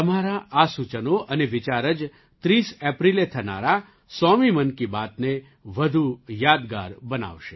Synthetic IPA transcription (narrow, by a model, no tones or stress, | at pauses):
t̪əmaɾaʔasut͡ʃənoʔəneʋɪt͡ʃaɾəd͡ʒ | t̪ɾisɛpɾilet̪ʰəna̰ɾa | sɔmimənkibat̪ne | ʋəd̪ʱujad̪ɡa̰ɾbəna̰ʋʃe